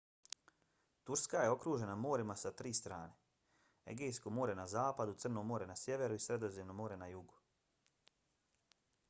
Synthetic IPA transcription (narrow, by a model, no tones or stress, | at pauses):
t̪uɾskaje̞o̞kɾuːʒe̞namo̞ːɾimasat̪ɾiːst̪ɾa̰ːne̞ | ḛɡejskomo̞ːɾenazaːpad̪ut̪sr̩nomo̞ːɾenasje̞ʋe̞ɾuisɾe̞d̪o̞zemnomo̞ːɾe̞najuɡu̥